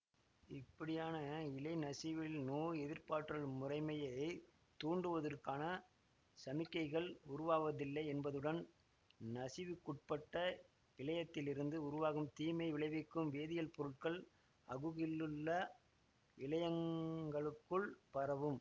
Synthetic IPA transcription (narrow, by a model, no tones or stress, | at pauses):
ɪpːɐɽɪjaːnɐɪlɐɪnɐsɪʋɪlnuːɛðɪɾpaːʈrɐɭmʊrɐɪmɐjɐɪ | t̪uːɳɖɯʋɐðɐrkaːnɐ | sɐmɪkːɐɪɣɐɭʊɾʊʋaːʋɐðɪlːɐɪɛnbɐðɯɽɐn | nɐsɪʋɯkːʊʈ̚pɐʈːɐ | ɪɭɐjɐt̪ːɪlɪɾɯnd̪ɯʊɾʊʋaːɣɯmt̪iːmɐɪʋɪɭɐɪʋɪkːɯmʋeːðɪjɐlpɔɾɯʈ̚kɐɭ | ɐɣɯɣɪlːɯɭːɐ | ɪlɐjɐŋɡɐɭɯkːɯɭpɐɾɐʋɯm